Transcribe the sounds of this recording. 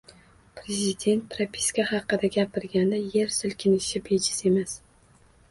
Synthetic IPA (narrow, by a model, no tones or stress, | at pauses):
pʰɾezɪd̪e̞nt̪̚pʰɾapʰi̥skʲahɑqːɨd̪aɡʲapɪɾɡʲand̪aje̞ɾsɪlkʲʰɪnɪʃɪbed͡ʒɪse̞mas